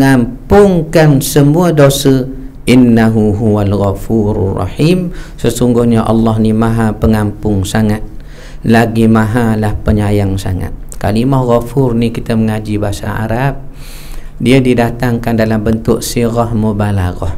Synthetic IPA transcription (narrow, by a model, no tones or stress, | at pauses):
əŋampʊŋkansəmuadosəʔɪnːaɦuɦuwalɣafuɾrːɑ̰ħimsəsuŋɡʊhɲaʔɑ̰lːɑhnimãɦapəŋampʊŋsaŋat̪̚ | laɡimaɦalahpəɲajaŋsa̰ŋa̰t̪̚kalimɔhɣafʊrnikit̪əməŋad͡ʒibaɦasa̰a̰ɾap̚ | diədidat̪aŋkandalambənt̪ʊʔ̚siɣɔhmobalaɣɔ̰h